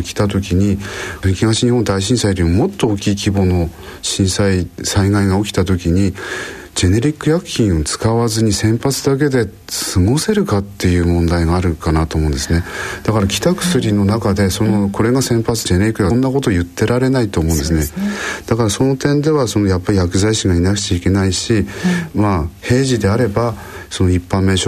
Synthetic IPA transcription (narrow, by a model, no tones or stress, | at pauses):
kʲi̥t̪at̪̬o̞kʲiɲ̟iɯkʲiɡaɕiɲ̟ihond̪aiɕĩsaiɾʲimomo̞t̪ːooːkʲiːkʲibo̞no̞ | ɕĩɰ̃saisaiɡaiɡao̞kʲi̥t̪at̪̬o̞kʲiɲ̟i | d͡ʑe̞ne̞ɾʲikːɯ̟jakɯ̥kːʲĩɰ̃ot͡sɨ̥kaβazɨɲ̟isẽ̞mpat͡sɨd̪ak̬e̞d̪e̞ | t͡sɨmose̞ɾɯ̟kat̪ːe̞jɯ̟ːmõ̞nd̪aiɡaːɾɯ̟kanat̪o̞ːmo̞ɯ̃nd̪esɨned̪̥akaɾakʲi̥t̪akɯ̟̥sɨɾʲino̞nakad̪e̞sonoko̞ɾe̞ɡasẽ̞mpat͡sɨ̥d͡ʑe̞ne̞ɾʲikːɯ̟janːako̞t̪o̞ːjɯ̟t̪ːe̞ɾaɾe̞nait̪o̞ːmõ̟nd̪esɨned̪̥akaɾaso̞no̞t̪ẽ̞nd̪e̞βaso̞no̞japːaɾʲijakɯ̟zaiɕiɡainakɯ̥t͡ɕaike̞naiɕimahe̞ːʑid̪e̞aɾe̞ba | so̞no̞ipːãmːe̞ːɕo